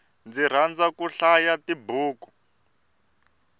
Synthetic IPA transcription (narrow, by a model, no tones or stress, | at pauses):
nd͡ziɾ̤and͡zakuɬajatibuːku̥